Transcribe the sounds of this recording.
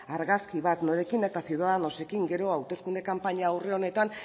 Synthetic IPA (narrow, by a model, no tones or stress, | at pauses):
aɾɣaskiβ̞at̪noɾe̞kine̞t̪asiuðaðano̞se̞kiŋɡe̞ɾo̞awt̪e̞skund̪e̞kampaɲaːwre̞o̞ne̞t̪an